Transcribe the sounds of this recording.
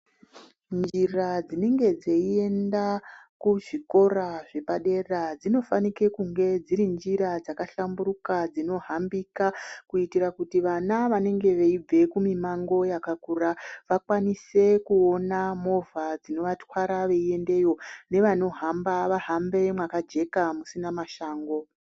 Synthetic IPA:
nd͡ʒirad͡zine̞ŋɡe̞d͡zeie̞ndakuʐiko̞raʐe̞paɗe̞rad͡zino̞fanikekuŋɡe̞d͡ziɾind͡ʒiɾad͡zakaɬambuɾukad͡zino̞ɦambikakuitiɾakutiʋanaʋane̞ŋɡe̞ʋe̞ib͡ve̞kumimaŋɡo̞jakakuraʋakwanise̞kuo̞namo̞vad͡zino̞ʋatwaɾaʋe̞ie̞nde̞jo̞ne̞ʋano̞ɦambaʋaɦambe̞mwakad͡ʒe̞kamusinamaʃaːŋɡo̞

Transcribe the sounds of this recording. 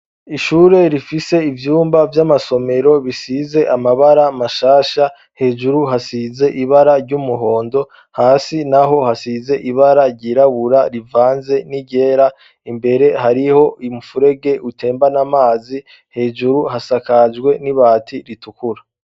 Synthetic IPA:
iʃuːɾe̞ɾifise̞ivjuːmbavjamaso̞me̞ɾo̞βisize̞ʔamaβaɾamaʃaːʃa | he̞ːd͡ʒuɾuɦasize̞ʔiβaɾaɾɟumuɦo̞ːndo̞ | haːsinaɦo̞hasize̞ʔiβaɾaɾɟiːɾaβuɾaɾivaːnze̞niɟe̞ːɾa | imbe̞ɾe̞haɾiho̞imufuɾe̞ɡe̞ʔutʰe̞ːmbanamaːzi | he̞ːʒuɾuhasakad͡ʒɡwe̞niβaːtʰiɾitukuɾa

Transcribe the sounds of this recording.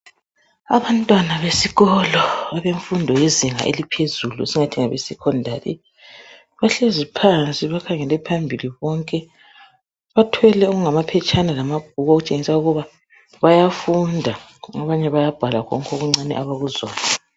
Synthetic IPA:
a̰βantʼwanaβesiɣɔlɔaβeɱfundʱɔjeziŋa̰ʔḛlipʰezuluesiŋatʰiŋaβesikʰɔndʱalḭ | βaɬezipʰant͡sʼiβakʰaŋɛlɛpʰambʱiliβɔŋkʼɛ | βatʰwɛlɛuɣuŋamapʰɛt͡ʃʼanalamaɡ̥̚ʱuɣɔoɣut͡ʃʼeŋisauɣuβa | βajafundʱa | aβaɲɛβajab̥ʱalaɣʰɔ̰ŋkʰɔɣuŋ͡ǀanḭʔaβaɣuzɔ̰ːna

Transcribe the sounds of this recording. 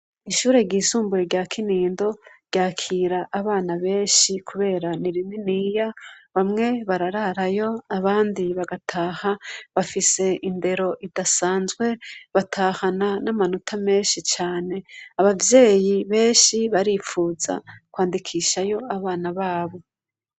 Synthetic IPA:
iʃuːɾe̞ɟiːsuːmbuɾeɟakʰiniːndo̞ɾɟ̥aːkʰiːɾaʔːβaːnaβe̞ːʃikʰuβe̞ːɾaniɾininiːjaβamŋe̞βaɾaɾaɾajo̞aβaːndiβaɡatʰaːhaβafise̞inde̞ɾo̞ʔidasaːnzɡwe̞βatʰahananamanutʰame̞ːʃit͡ʃaːne̞aβavje̞ːjiβe̞ːnʃiβaɾiːfuːza̰kwaːndikʰiʃajo̞aβaːnaβaːβo̞

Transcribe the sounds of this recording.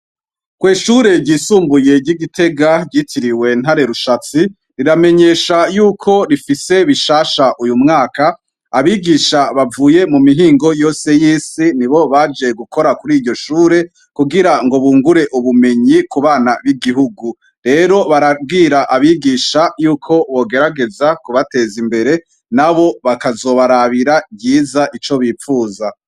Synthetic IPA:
kwiːʃuːɾe̞ɾɟiːsuːmbuje̞ɟiɡite̞ɡaɟitʰiɾiwe̞n̥ɦaɾe̞ɾuʃat͡si | ɾiɾame̞ɲe̞ːʃajuːkʰo̞ɾifise̞βiʃaːʃaʔujumŋaːka | aβiːɡiːʃaβavuːje̞mumiɦiːŋɡo̞jo̞ːse̞jiːsiniβo̞βaːd͡ʒe̞ɡukʰo̞ɾakuɾiːɾɟo̞ʃuːɾe̞ | kuɡiɾaŋɡo̞βuːŋɡuɾe̞ʔuβume̞ɲikuβaːnaβiɡiɦuɡu | ɾe̞ɾo̞βaɾab̚ɡiːɾaʔaβiɡiʃajuːkʰo̞βo̞ːɡe̞ɾaɡe̞zakuβate̞zimbe̞ɾe̞ | naβo̞βakazo̞ːβaɾaβiɾabɟiːzaʔit͡ʃo̞βiːfuːza

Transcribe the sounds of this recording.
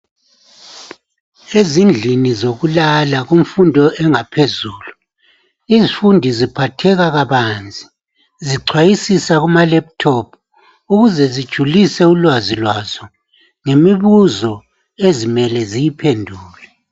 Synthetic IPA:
ezind͡ɮʱinizoɣulalaɣuɱ̩fundʱɔɛŋapʰezuːlu | izifundʱizipʰatʰɛɣaɣaβaːnd͡zʱʼi | ziǀʰwajisisaɣumalɛp̚tʰɔpʰ | uɣuzɛzid̥ʒ̥ʱulisɛulwazilwazɔ | ŋemiβuzɔ | ezimɛlɛzijipʰendʱuːlɛ

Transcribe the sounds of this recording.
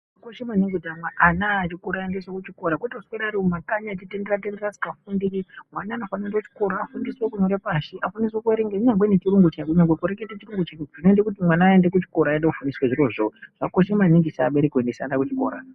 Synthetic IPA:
ʐakoʃemaniŋɡudʱamwaʔanaːt͡ʃikuɾaendeswokut͡ʃikoɾakwetausweɾaɾiumakaɲat͡ʃitenderatenderad͡zi̥kafundiɾimwanaːnofaniendout͡ʃi̥ko̞ɾaːfundiswekuɲoɾepaʃiʔafaniswekueɾeŋɡeuɲaŋɡwenet͡ʃiɾuŋɡut͡ʃakuɲaŋɡwekuɾeketet͡ʃiɾuŋɡut͡ʃaʐinoendekutimwanaːendek̬ut͡ʃi̥ko̞ɾaendekufunisweʐiɾo̞ʐoʐ̥ako̞ʃemaniŋɡisaaɓe̞ɾekwendesa̰ndakut͡ʃi̥ko̞̰ːɾa̰

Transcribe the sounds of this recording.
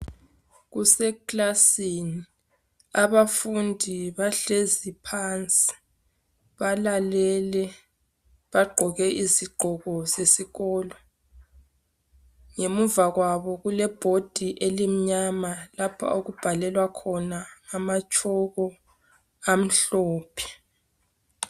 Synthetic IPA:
ɣusɛklasini | aβafundʱiβaɬezipʰant͡sʼi̥ | βalalɛlɛ | βaɡ͡ǃʱɔɣɛʔiziɡ͡ǃʱɔɣɔzesiɣɔːlɔ | ŋemuvaɣwaβɔɣulɛb̥ʱod̥ʱiʔelim̩ɲamalapʰa̰oɣub̥ʱalɛlwakʰɔnaamat͡ʃʼɔɣɔ | am̩ɬɔːpʰɛ̥

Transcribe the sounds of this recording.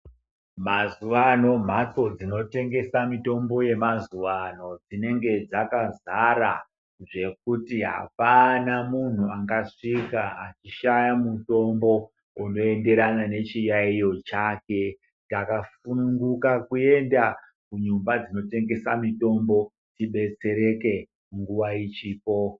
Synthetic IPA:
mazuwano̞m̤at͡so̞d͡zino̞te̞ŋɡe̞samito̞mbo̞je̞mazuwano̞d͡zine̞ŋɡe̞d͡zakazaɾa̰ | ʐe̞k̚utiɦa̰panamun̤uaŋɡaʂikaat͡ʃiʃajamuto̞mbo̞ | uno̞e̞nde̞ɾanane̞t͡ʃijaijo̞t͡ʃake̞ | takafunuŋɡukakue̞nda | kuɲumbad͡zino̞te̞ŋɡe̞samito̞mbo̞ | tiɓe̞t͡se̞ɾe̞ke̞ | ŋɡuʋait͡ʃiːpo̞

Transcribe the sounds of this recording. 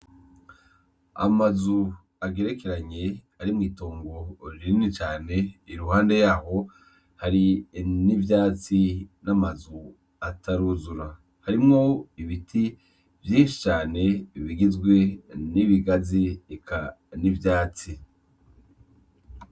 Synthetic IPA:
a̰mazu | aɡe̞ɾe̞keɾaɲe̞aɾimŋiːtoːŋɡo̞ɾiinit͡ʃaːne̞iɾuɦaːnde̞jaːho̞ | haɾinivjaːt͡sinamazu | atʰaɾuzuɾa | haɾimŋo̞iβitʰi | vjiːnʃi̥t͡ʃaːne̞iβiɡizɡwe̞niβiɡaziikʰanivjaːt͡si

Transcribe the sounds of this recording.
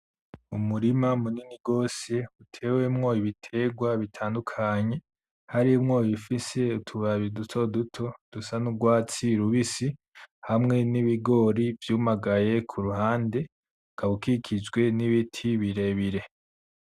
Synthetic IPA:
umuɾimamuniniɡo̞ːse̞utʰe̞ːwe̞mŋo̞iβitʰe̞ɡwaβitʰaːndukʰaɲe̞ | haɾimŋojifise̞utʰuβaβidutʰo̞dutʰo̞d̥usanuɡwaːt͡siɾuβisi | hamŋe̞niβiɡo̞ːɾivjuːmaɡaje̞kʰuɾuhaːnde̞ | kaβukikʰid͡ʒɡwe̞niβitʰiβiɾe̞βiɾe̞

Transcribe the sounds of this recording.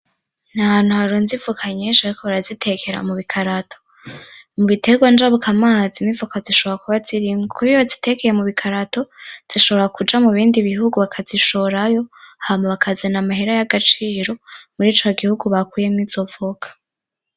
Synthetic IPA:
n̥aanuhaɾonzivukʰaɲet͡ʃaɾikoβaɾazitʰe̞ke̞ɾa̰muβikʰaɾatʰo̥ | muβite̞ɡwand͡ʒaβukʰamaːzinivukaziʃo̞βoɾakuβaziɾimɡekuijozite̞kejemuβikʰaɾato̞z̥iʃo̞βoɾakud͡ʒamuβiːndiβihuɡuβakʰaziʃoɾajo̞hamaβakazenamaheɾajaɡat͡ʃiːɾo̞muɾiːt͡ʃo̞ɡihuɡuβakwiːjemŋiːz̥o̞vokʰḁ

